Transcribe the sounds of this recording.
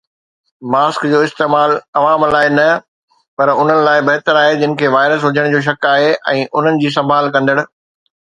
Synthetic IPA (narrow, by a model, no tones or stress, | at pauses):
maːskd͡ʑoːɪst̪eːmaːlɐʋaːmlaːɪnɐ | pɐɾʊn̤ənɪ̆laːɪbɐɦt̪əɾaːɦed͡ʑɪnɪ̆kʰeːʋaːɪɾəs̬ɦʊd͡ʑʱəɽ̃d͡ʑoːʃ̬ɐkaːɦeʔɛ̃ːʔʊn̤ənɪ̆d͡ʑiːs̬ɐ̃mbʱaːlkɐ̃nd̪əɽ̃ʊ̆